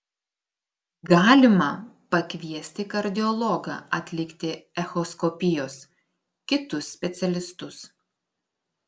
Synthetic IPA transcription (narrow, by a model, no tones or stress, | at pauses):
ɡɑːlʲɪmɐpɐkʲʋʲiɛsʲt̪ʲɪkɐɾʲd̪ʲɪɔlˠɔɡɐ̰ɐt̪ʲlʲɪkt̪ʲɪɛxɔskɔpʲɪjoːs | kʲɪt̪ʊsːʲpʲɛt̪sʲɛlʲɪst̪ʊs